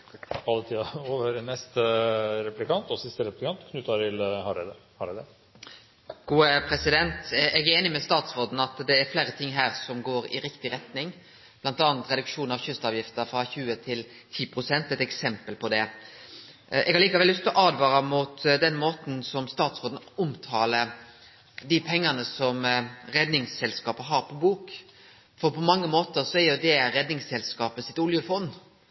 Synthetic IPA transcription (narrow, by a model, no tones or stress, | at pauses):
ɑlːət̪ʰiːɑoːʋəɾnɛst̪əɾɛplɪkɑnt̪ɔsɪst̪əɾɛplɪkʰɑnt̪kʰnʉt̪ːɑɾɪlhɑɾɛd̪əhɑɖɛd̪ɛ | ɡ̥uːəpʰɾɛsɪd̪ɛnt̪ɛɡæɾeːnɪmɛst̪ɑːt̪sʁoːd̪n̩ɑt̪d̪ɛːɾfleːɾət̪ʰɪŋːɦæːɾsɔmɡoːɾɪ̰ɾɪkt̪ɪɾɛt̪nɪŋ | blɑnt̪ɑːɑnt̪ɾɛd̪ʉkʂuːnɑʋçʏst̪ɑːʋjɪft̪əɾfɾɑçʉːət̪ʰɪl | t̪ʰiːpʰɾʊsɛnt̪ɛt̪ɛksɛmpəlpʰɔd̪ɛ | ʔɛɡhɑɾliːkɑʋɛlːʏst̪ɔʔɑːd̪ʋɑːɾɑmuːt̪d̪ɛnmoːt̪n̩sɔmst̪ɑːt̪soːd̪n̩ʊmt̪ʰɑːlə | d̪ɪpʰɛŋːənəsɔmɾɛd̪nɪŋsɛlskɑːpəɦɑɾpʰɔbuːk | fɔɾpʰɔmɑŋːəmoːt̪əɾsɔɛɾjʊd̪ɛɾɛd̪nɪŋsɛlskɑːpəsɪt̪ʊljəfɔnː